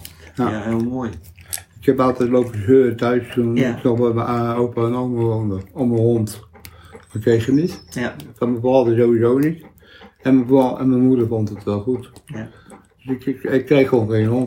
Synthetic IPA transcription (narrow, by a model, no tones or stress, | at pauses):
jaelˠmoj | ɪkhɛpɑlˠtɛjtlowpəøːtœɥstunɪksɔəməowpəənoməʋowndəɔmənɦɔnt | makrejχənitfɑməvɔːdəzowʋizownit | ɛnməvɔɛ̰nməmudəɹvɔntətʋɛlˠχut | d̥sɪkkɪkːrejχʋonχejnɦɔnt